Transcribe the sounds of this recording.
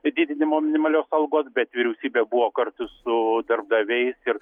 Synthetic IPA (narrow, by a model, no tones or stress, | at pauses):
d̪ʲiːd̪ʲɪnʲɪmoːmʲɪnʲɪmɐlʲoːsɐlˠɡoːsbʲɛt̪ʋʲɪɾʲɛʊsʲiːbʲeːbʊʋoːkɐɾt̪ʊssʊd̪ɐrb̚d̪ɐʋʲɛɪsɪɾ